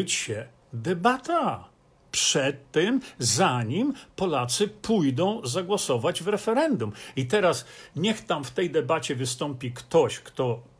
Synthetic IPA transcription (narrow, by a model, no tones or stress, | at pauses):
t͡ɕɕɛ | d̪ɛbat̪a | pʂɛt̪ːɛmzaɲimpɔlat̪sɘpujd̪ɔ̃w̃zaɡwɔsɔvad͡ʑvɾɛfɛɾɛnd̪umit̪ɛɾasɲɛxt̪amft̪ɛjd̪ɛbat͡ɕɛvɘst̪ɔmpʲikt̪ɔɕkt̪ɔ